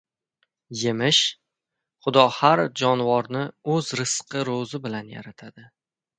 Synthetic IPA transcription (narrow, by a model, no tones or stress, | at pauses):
je̞mɪʃ | χʊd̪ɒhaɾd͡ʒɒnvɒɾnɪɵzɾɨsqʰɨɾozɪbɪlanja̰ɾat̪ʰad̪ɪ